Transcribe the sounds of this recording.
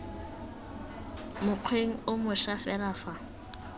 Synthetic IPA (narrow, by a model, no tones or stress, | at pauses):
mʊq͡χʰweŋ̩ʊmʊʃafɛlaːfa